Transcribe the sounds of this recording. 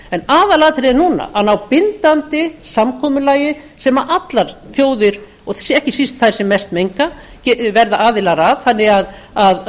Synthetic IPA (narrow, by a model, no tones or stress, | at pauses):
ɛnaːðalaːt̪ɪɾɪɪnuna̰ʔanawpɪnt̪ant̪ɪsamkʰɔːmʏlaːjɪ | sɛmaʔat̪laɾ̥θjoːwðɪɾ̥ | ɔɣθɛhcɪsist̪θað̥sɛmːɛst̪mejŋkacɛvɛɾðaʔaːðɪlaɾaðθanːɪɣaðað